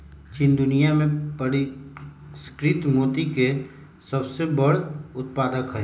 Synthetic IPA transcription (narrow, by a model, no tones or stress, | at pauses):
t͡ʃɪnd̪ʊnijamẽpəɽi | skɾɪt̪moːt̪ike | sɐbsebəɽ̤ʊt̪̚paːd̪əkɦɛɦe